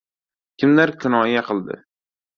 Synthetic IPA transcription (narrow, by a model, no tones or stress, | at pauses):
kʲʰɪmlaɾkʰʲʊnɒjaqʰɨlˠd̪ɪ̰